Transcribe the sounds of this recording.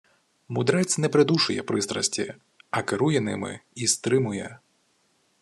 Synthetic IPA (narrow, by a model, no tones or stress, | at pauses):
mʊd̪ɾɛt͡sʲnɛpɾɪd̪uʃʊjɛ̰pɾɪst̪ɾɐ̰sʲtʲi | ɐkeɾujɛnɪ̰mɪ̰ist̪ɾɪmʊjɛ̰